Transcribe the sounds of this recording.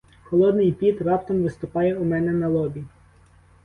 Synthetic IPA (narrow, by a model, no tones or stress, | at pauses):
xɔlˠɔd̪nɪjpʲit̪rɑpt̪ɐmʋɪst̪ʊpɑjɛʊmɛnɛnɐlˠɔbʲi